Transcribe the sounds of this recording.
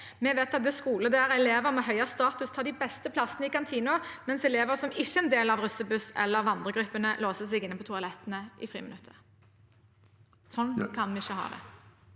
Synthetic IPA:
mɛʋeːt̪ɑt̪̚d̪ɛskuːləd̪ɛæʁɛleːʋəʁmɛɦœʏɑst̪ɑːt̪ʉst̪ʰɑːd̪ɪbɛst̪əpʰlɑsənəɪkɑnt̪ʰiːnʊmɛnsɛleːʋəʁsɔmɪçːəɛnd̪eːlɑʋʁʉsəbʉsɛ̰lːəʋɑnd̪ʁəɡʁʉpːənəloːsəsɛɪɡɪnːəpʰɔt̪ʰʊɑlɛt̪ːənəʔɪ̰fʁḭːmənʉt̪ʰːə̥ʁ | sɔnːkʰɑnʋɛɪçːəɦɑ̰ːd̪ɛ̰

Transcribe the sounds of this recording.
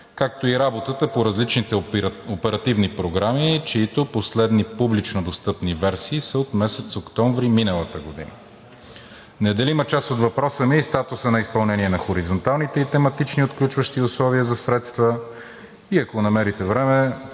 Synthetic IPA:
kak̚t̪oiɾabot̪ət̪əpoɾɐzlit͡ʃnit̪ɛopɛɾɐt̪ivnipɾoɡɾamit͡ʃɛit̪oposlɛd̪nipublit͡ʃnod̪ost̪ɤpnivɛɾsiːsəot̪mɛsɛt̪sokt̪ɔɱvɾiminəlˠət̪əɡod̪ḭnə̰ | nɛd̪ɐlimɐt͡ʃasot̪vɐpɾɔsəmiːst̪at̪ʊsənɐispɐlˠnɛniɛnɐxoɾizont̪alˠnit̪ɛit̪ɛmɐt̪it͡ʃniot̪klʲut͡ʃvəʃt̪iʊslˠɔviəzɐsɾɛt̪st̪və | iɐkonɐmɛɾit̪ɛvɾɛmɛ

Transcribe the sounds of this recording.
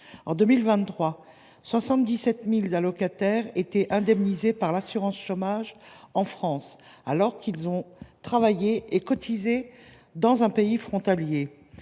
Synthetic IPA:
ɑ̃d̪ømilvɛ̃t̪χwa | swasɑ̃t̪̚d̪isɛt̪milzalɔkat̪ɛʁet̪ɛʔɛ̃d̪ɛmnizepaʁlasyʁɑ̃sʃomaʒɑ̃fχɑ̃s | alɔʁkilzɔ̃t̪χavajeekɔt̪ʰize | d̪ɑ̃zɛ̃peifχɔ̃t̪alje

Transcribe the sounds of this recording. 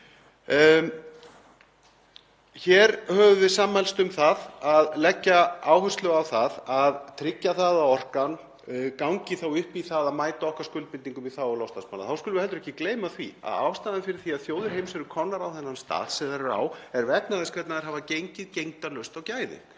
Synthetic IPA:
çɛɾhœːvʏvɪsaːmːhɛlst̪ʏmθaðaðlɛcːaaːwhʏ̥st̪lœɣawθaðaðt̪ʰɾɪcːaθaðaɔr̥kan | kawŋcɪθawʏhpiθaðaðmaːjt̪aɔhkaɾskʏlt̪̚pɪnt̪iŋkʏmiθawɔlɔwst̪asmana̰θawskʏlʏvɪhɛlt̪ɾɛhcːɪkleːjmaθvia̰ða̰ːwst̪aːðanfɪɾɪɾ̥θiaðθjoːwðʏɾ̥ɦejmsɛɾʏkʰɔnːaɾawθɛnːanst̪a̰ːðsɛðaɾɾa̰ːwɛɾvɛt̪naðɪskʰvɛt̪naðɛɾɦavacejɲcɪðcejŋt̪alœst̪awcaːjðɪ̰ŋ

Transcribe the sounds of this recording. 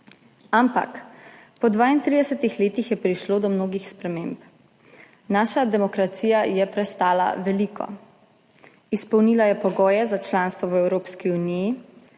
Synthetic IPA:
ampa̰k | pɔd̪ʋaːint̪ɾid̪ɛsɛt̪ixleːt̪ixjɛpɾiʃloːd̪ɔmnoːɡixspɾɛmeːmp | naːʃad̪ɛmɔkɾat̪siːjajɛpɾɛst̪aːla̰ʋɛliːkʰɔ̰ | ispɔwniːlajɛpɔɡɔːjɛzat͡ʃlaːnst̪ʋɔwɛwɾoːpskiuniji

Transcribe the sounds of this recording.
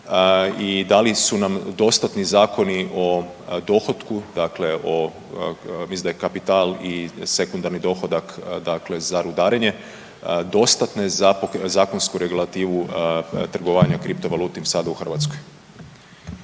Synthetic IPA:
id̪alisunamd̪o̞st̪at̪nizaːko̞niʔo̞ | d̪o̞xo̞t̪kud̪akle̞ʔo̞ | misind̪akapit̪aːlise̞kund̪aɾnid̪o̞ːxo̞d̪akd̪akle̞zaɾud̪aːɾeɲe̞ | d̪o̞st̪at̪nezapozaːko̞nskuɾe̞ɡulˠat̪iːʋut̪r̩ɡoʋaːɲakɾipt̪oʋaluːt̪imsad̪auxr̩ʋat̪skoj

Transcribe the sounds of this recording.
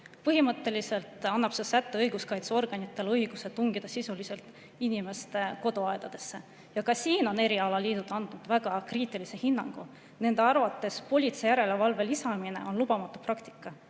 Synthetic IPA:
pɤɦimɤt̪ːˑe̞lise̞lt̪ˑɑnːɑb̥sesæt̪ːˑe̞ɤjɡ̥uskɑjt̪seo̞rɡ̥ɑnit̪ːˑe̞lɤiɡ̥use̞t̪uŋɡ̥id̪̥ɑsisulise̞lt̪ˑ | inʲime̞st̪e̞ko̞d̪oɑed̪̥ɑd̪̥e̞sːe̞ | jɑkɑsiːno̞ne̞ɾiɑlɑliːd̪ud̪ɑnd̪̥nud̪̥væɡ̥ɑkriːt̪ːˑilise̞hinːɑŋɡ̥u | ne̞nd̪̥e̞ɑrvɑt̪ːˑe̞spo̞lʲit̪sejæɾe̞levɑlve̞lisɑmine̞̰ʔo̞nlub̥ɑmɑt̪ːˑuprɑkt̪i̥kːˑɑ

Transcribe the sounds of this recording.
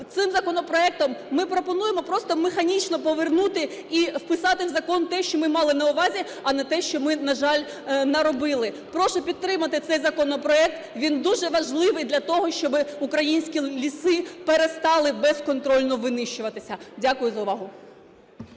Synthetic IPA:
t̪sɪmzɐkɔnɔpɾɔɛk̚t̪ɔmːɪpɾɔpɔnujemɔpɾɔst̪ɔmexɐnʲit͡ʃnɔpɔʋernut̪ɪiwpɪsɑt̪ɪwzɐkɔnt̪ɛʃt͡ʃɔmɪmɑlˠɪnɐʊʋɑzʲi | ɐnɛt̪ɛʃt͡ʃɔmɪnɐʒɑlʲ | nɐɾɔbɪlˠɪ | pɾɔʃɔpʲid̪̚t̪ɾɪmɐt̪ɪt̪sɛjzɐkɔnɔpɾɔɛk̚t̪ʋʲind̪uʒɛʋɐʒlˠɪʋɪjd̪lʲɐt̪ɔɦɔʃt͡ʃɔbɪukɾɐjinʲsʲkʲilʲisɪpeɾest̪ɑlˠɪbɛskɔnt̪ɾɔlʲnɔʋɪnɪʃt͡ʃʊʋɐt̪ɪsʲɐdʲakʊjʊzɐʊʋɑɦʊ

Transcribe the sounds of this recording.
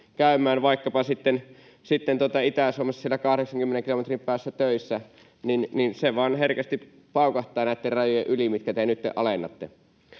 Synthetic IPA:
kæˑymˑæːnʋɑˑikːɑpɑsit̪ːen | sit̪ːent̪uot̪ɑit̪æˑsuomɑsːsielækɑhɾeksɑŋkymːeneŋkilomet̪rimpæːsːæt̪øˑisːæ | ninninseʋɑːnherkæst̪i | pɑˑukɑht̪ˑɑˑːnæˑit̪ːerrɑjojeʔylimit̪kæt̪enyt̪ːḛʔʔɑlenːɑt̪ːe

